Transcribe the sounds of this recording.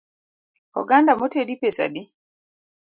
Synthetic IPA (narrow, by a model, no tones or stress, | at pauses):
hɔ̰ɡandamɔteɗipɛsa̰ɗi